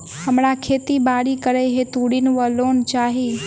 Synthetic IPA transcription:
ɦəmɽakʰeːt̪ibaːɽikəɾeɦet̪uɽinʋəloːnt͡ʃaːɦi

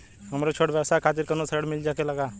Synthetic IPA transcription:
ɦəmɾot͡ʃʰoɽbjɛsakʰaːt̪̬iɾkənosʰəɽmɪld͡ʒakeləɡa

